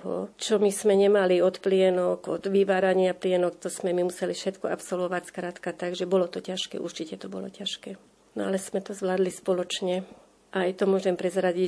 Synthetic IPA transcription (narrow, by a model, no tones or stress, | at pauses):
ɦɔ̰t͡ʃɔmismɛɲɛmaliɔt̪plɪɛnɔkɔd̪ʋiʋaːɾaɲɪaplɪɛnɔkt̪ɔsmɛmimusɛlifʃɛt̪kɔapsɔlʋɔʋacskɾat̪kat̪aɡʒɛbɔlɔt̪ɔcaʃkɛ̰ːʔṵɾt͡ʃicɛt̪ɔbɔlɔ̰caʃkɛː | nɔalɛsmɛt̪ɔzʋlaːd̪lispɔlɔt͡ʃɲɛ | ʔajt̪ɔmʊɔʒɛmpɾɛzɾaɟi